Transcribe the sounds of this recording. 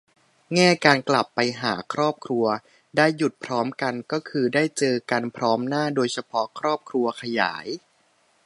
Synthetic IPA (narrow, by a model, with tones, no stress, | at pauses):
ŋɛː˥˩kaː˧nkla˨˩pːa˧jɦa̰ː˩˦kʰɾɔː˥˩p̚kʰɾu˧ɐ | daː˥˩jːu˨˩t̪̚pʰɾɔː˦˥mka˧nkɔː˥˩kʰɯː˧daː˥˩jt͡ɕɤː˧ka˧npʰɾɔː˦˥mnaː˥˩doː˧jsʰa˧pʰɔ˦˥kʰɾɔː˥˩p̚kʰɾu˧ɐkʰa˧ja̰ː˩˦j